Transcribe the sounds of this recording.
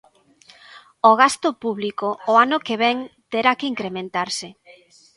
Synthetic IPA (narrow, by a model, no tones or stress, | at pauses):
oɣ̞ast̪ʊpuβlikoːanʊkeβ̞ɛŋt̪eɾakeiŋkɾemẽnt̪aɾsɪ